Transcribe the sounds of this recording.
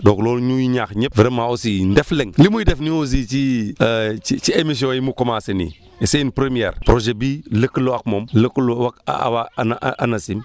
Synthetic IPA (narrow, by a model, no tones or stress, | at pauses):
doklolɲujiɲaxɲipviɾemaosindefleŋlimuidefniwos̬it͡ʃiət͡ʃit͡ʃiemis̬õjimukomasenḭ | eseinpɾemiɛ̰ɾpɾoʒebiləkuloakmomləkulowaka̰wanaʔʔanasim